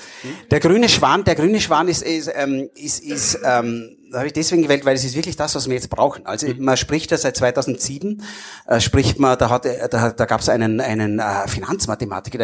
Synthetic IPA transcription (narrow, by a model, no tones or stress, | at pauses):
d̥eːɐɡʁyːnəʃv̥aːndeːɐɡʁyːnəʃv̥aːnɪsɛmɪsɪsɛm | shaːbɪçd̥ɛsveːɡŋ̩ɡəvɛːltvæɪlɛs̬ɪstv̥ɪɐklɪçd̥asv̥as̬v̥iːɐjɛt͡st̚b̥ʁa̰ʊxn̩ʔa̰lzomaʃpʁ̥ɪçtjaːzaɪt̚t͡sːvaɪtʰaʊzn̩tz̥iːbm̩ʔɛːʃpʁ̥ɪçtmadaɦatd̥ad̥aːɡa̰ːpsʔaɪnənaɪnənɛfina̰nt͡smatema̰ːtɪ̥k